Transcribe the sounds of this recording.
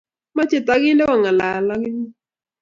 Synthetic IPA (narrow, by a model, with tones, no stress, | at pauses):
ma˦t͡ʃɪ˨t̪a˨ɡɪ˦nɛ˦wa˨ŋa˨la˨la˦ɡɪ˦ni˦